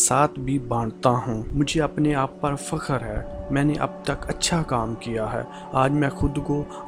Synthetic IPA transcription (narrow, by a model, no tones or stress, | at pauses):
saːt̪ʰbʱibãːɳt̪aɦũːmʊd͡ʒʱeɐpneaːpːɐɾfɐkəɾɦɛːmɛ̃ːneʔɐ̰b̚t̪ɐkɐtːʃʰakaːmkijaɦɛ̰ː | aːd͡ʒmɛ̃ːxʊd̪ko